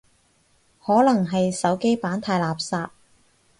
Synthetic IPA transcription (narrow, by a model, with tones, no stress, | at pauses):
hɔː˨˥lɐ˨˩ŋɦɐ˨jsɐ˨˥wke˥jpaː˨˥nt̪ʰaː˧jlaː˨p̚saː˧t̚